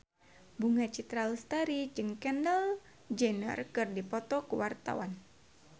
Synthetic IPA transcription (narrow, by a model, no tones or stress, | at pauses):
buŋat͡ʃit̪ɾalst̪aɾid͡ʒɨŋkɛndəl | d͡ʒɛnə̰rkɨrdipɔt̪ɔkuwart̪a̰wan